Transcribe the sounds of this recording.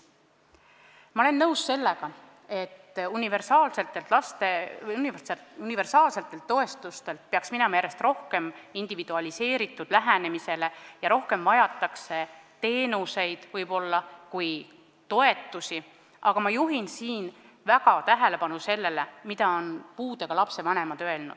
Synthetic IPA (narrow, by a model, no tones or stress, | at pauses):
mɑole̞nːɤwsːe̞lːe̞ɡ̥ɑ | e̞t̪ːunʲive̞rsɑːlse̞lt̪ːˑe̞lt̪lɑst̪eniseunive̞rsɑːlse̞lt̪ːˑe̞lt̪ːo̞e̞st̪ust̪e̞lt̪̚pe̞ɑksminɛmɑjæɾest̪ro̞hke̞mind̪̥ivid̪̥uɑlʲise̞ːɾit̪ːˑud̪̥læɦæne̞mise̞le̞jɑɾo̞hke̞mvɑjɑt̪ːˑɑkse̞t̪e̞ːnuse̞jd̪̥vɯjb̥o̞lːɑkuj | t̪o̞e̞t̪ːˑusi | ʔɑɡ̥ɑmɑjuɦinsiːn | væɡɑt̪æɦele̞pɑnuse̞lːe̞lemid̪̥ɑo̞npuːd̪̥e̞ɡ̥ɑlɑpse̞vɑne̞mɑd̪̥øe̞lnṵd̪̥